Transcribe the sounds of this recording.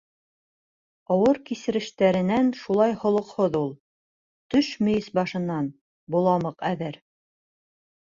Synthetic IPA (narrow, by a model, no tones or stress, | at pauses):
ɑwɤɾkisɘ̆ɾɘ̆ʃt̪æɾɘ̆nænʃulˠɑjhŏlˠŏqhoðulˠ | t̪ɵʃmɵ̆jɘsbɑʃɤ̆nːɑn | bulˠɑmɤqæðɘɾ